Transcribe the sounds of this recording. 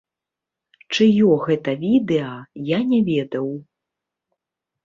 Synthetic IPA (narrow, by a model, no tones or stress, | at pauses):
t͡ʂɨjɔɣɛt̪ɐvʲid̪ɛɐjanʲɛvʲɛd̪ɐw